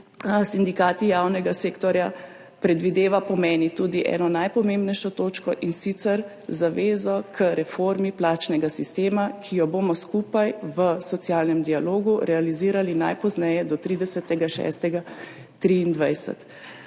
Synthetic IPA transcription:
sind̪ikaːt̪ijaːwnɛɡaseːkt̪ɔɾja | pɾɛd̪ʋid̪eːʋapɔmɛːnit̪uːd̪iʔɛ̰nɔnajpɔmẽmbnɛjʃɔt̪oːt͡ʃkɔʔinsit̪sɛɾ | zaʋeːzɔkʰəɾɛfoɾmiplaːt͡ʃnɛɡasist̪eːmakʰijɔboːmɔskuːpajʋəsɔt̪sjaːlnɛmd̪ialoːɡuɾɛaliziːɾalina̰jpɔznɛjɛd̪ɔt̪ɾiːd̪ɛsɛt̪ɛɡaʃɛ̰st̪ɛɡa | t̪ɾiːnd̪ʋajsɛ̰t̪

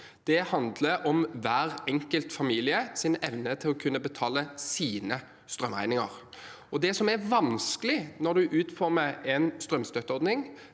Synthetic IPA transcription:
d̪̥ɛhɑnd̪ləɔmʋæːɾɛŋkəlt̪fɑmiːlɪəsɪnɛʋnət̪ʰɪlɔkʰʉnːəbət̪ʰɑːləsiːnə | st̪ɾœmæ̰ɪnɪŋə̰ɾ | ɔd̪ɛsɔmæʋɑnskəlɪnɔd̪ʉʔʉːt̪fɔɾməɾɛnst̪ɾœmst̪œt̪ːəɔɾd̪nɪŋ

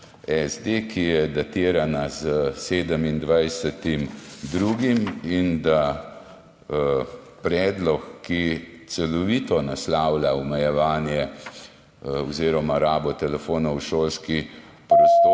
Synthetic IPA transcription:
ɛzd̪ekʰijɛd̪at̪iːɾanazəseːd̪əmind̪ʋajsɛt̪imd̪ɾuɡimind̪a | pɾɛːd̪lɔkːit̪sɛlɔʋiːt̪ɔnaslaːwlaɔmɛjɛʋaːnjɛ | ɔziːɾɔmaɾaːbɔt̪ɛlɛfoːnɔwʃoːlski | pɾɔst̪oː

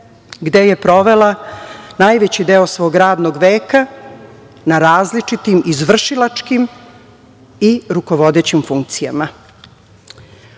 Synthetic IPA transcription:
ɡd̪e̞je̞pɾo̞ʋe̞lanaːjʋet͡ɕid̪eo̞sʋo̞ːɡɾaːd̪noɡʋe̞ːka | naɾaːzlit͡ʂit̪imizʋr̩ʃilat͡ʃkim | iɾuko̞ʋo̞d̪et͡ɕimfuŋk̚t̪sijama

